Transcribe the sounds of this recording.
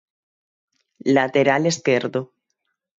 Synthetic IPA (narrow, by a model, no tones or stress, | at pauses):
lat̪eɾaleskeɾðo